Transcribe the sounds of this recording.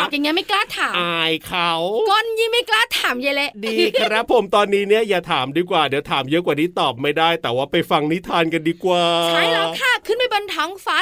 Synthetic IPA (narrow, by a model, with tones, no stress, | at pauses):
ɔː˨˩kja˨˩ŋːi˦˥ma˥˩jklaː˥˩t̪ʰːaː˩˦ma˧˩jkʰa˦˥wkɔ˧nji˧ma˥˩jklaː˥˩t̪ʰːaː˩˦mja˧˩le˦˥ʔdiː˧kʰa˧ɾa˦˥pʰo˩˦mt̪ɔː˧nːiː˦˥ni˥˩ɐjaː˨˩t̪ʰaː˩˦mdiː˧kwaː˨˩di˩˦wt̪ʰaː˩˦mjɤ˦˥kwaː˨˩niː˦˥t̪ɔː˨˩p̚ma˥˩jdaː˥˩jt̪ɛː˨˩waː˥˩pa˧jfa˧ŋni˦˥t̪ʰaː˧nka˧ndiː˧kwaː˨˧˩t͡ɕʰa˧˥˩lɛː˧˥k̪ʰaː˥˩kʰɯ˥˩npa˧jbo˧nt̪ʰɔ˦˥ŋfaː˦˥